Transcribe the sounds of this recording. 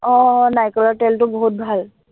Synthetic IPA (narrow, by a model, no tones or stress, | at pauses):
ɔnajkələʈelʈ̪obɔɦut̪̚bʱal